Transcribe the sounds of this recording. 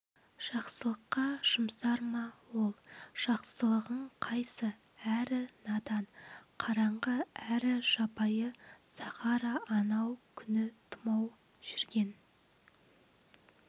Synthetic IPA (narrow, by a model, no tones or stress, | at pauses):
ʒ̥ɑqsəlˠəqːɑʃəmsɑɾmɑwo̞lˠʒ̥ɑqsəlˠəʁəɴqʰɑjsə | æɾɪnɑd̪ɑnqʰɑɾɑɴʁəæɾɪʒɑpɑjəsɑχɑɾɑʔɑnɑwkʲʰʏnɪt̪ʰʊmɑw | ʒ̥ʏɾɡʲe̞n